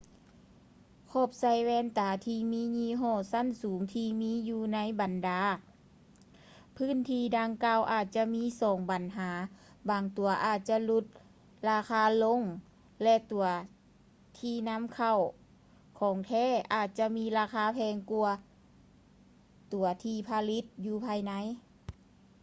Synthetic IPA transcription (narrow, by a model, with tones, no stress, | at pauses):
kʰɔː˧˩p̚sa˧˩jwɛː˧˥˨nt̪aː˨˦t̪ʰiː˧miː˧˥˨ɲiː˧˥˨ɦɔː˧˩˨sa˧˥˨nsuː˨˦ŋt̪ʰiː˧miː˧˥˨juː˧na˧˥˨jba˨ndaː˨˦ | pʰɯː˧˥˨nt̪ʰiː˧˩daː˧ŋkaː˧˨wʔaː˨˩t̪̚t͡ɕa˧miː˧˥˨sɔː˨˦ŋba˨˦nɦaː˩˨˦ | baː˨˩ŋt̪u˨˦ɐʔaː˨˩t̪̚t͡ɕa˧lu˧˦t̪̚ | laː˧kʰaː˧˩lo˧˥˨ŋ | lɛ˧t̪u˨˩˦ɐ | t̪ʰiː˧˩na˧˥˨mkʰa˧˩w | kʰɔː˨˩˦ŋt̪ʰɛː˧˥˨ʔaː˨˩t̪̚t͡ɕa˧miː˧˥laː˧kʰaː˧˥˨pʰɛː˧ŋku˧ɐ | t̪u˨˩˦ɐt̪ʰiː˧pʰa˧li˧˥t̪̚juː˧pʰaː˧jna˧˥˨j